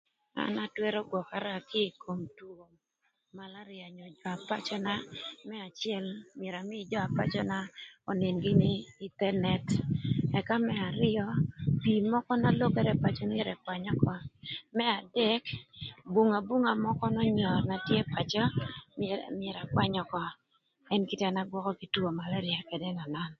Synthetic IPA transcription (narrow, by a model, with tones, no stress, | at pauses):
a̰˨na˦twɛ˦ɾɔ˦ɡwɔ˨ka˨ɾa˦kʰɪ˦˨kʰo˨mtuo˨m | ma˨la˦ɾɪa˨ɲɔ˨d͡ʒɔ˨a˨pa˦t͡ʃɔ˦na˦mɛ˦a˨t͡ʃɪɛ˦lmɪ˨ɾa˨mɪ˦d͡ʒɔ˦a˨pa̰˦t͡ʃɔ˦na˦ɔ˨nɪ˨nɡɪ˦nɪ˦ɪ˦tɛ˦nɛ˨tɛ˨ka˦mɛ˦a˨ɾɪ˦ɔ˦pi˨mɔ˦kɔ˦na˦lo˦kɛ˦ɾɛ˦pa˨t͡ʃɔ˦nɪ˦ɾɛ˨kwa˨ɲɔ˦kɔ˦mɛ˦a˨dɛ˦kbu˨ŋa˨bu˦ŋa˨mɔ˦kɔ˦nɔ˦ɲɔ˨rna˨tje˦pa˨t͡ʃɔ˦ | mɛ˨ɾa˨kwa˦ɲɔ˦kɔ˦ | ɛ˦nki˦ta˨na˦ɡwɔ˦kɔ˦ki˨˦two˨ma˨la˦ɾja˨kɛ˨dɛ˦na˨na˦n